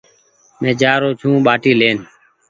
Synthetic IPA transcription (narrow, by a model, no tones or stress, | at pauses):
mẽːd͡ʒaːɾoːt͡ʃʰũːɓaːʈiːleːn